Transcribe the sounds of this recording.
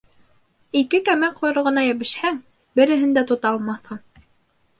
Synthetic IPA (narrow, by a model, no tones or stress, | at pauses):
ikɘkæmæqʰujɾɤ̆ʁɤ̆nɑjæβɘ̆ʃhæŋ | bɘ̆ɾɘ̆ɦɘnd̪æt̪ut̪ɑlˠmɑθɤɴ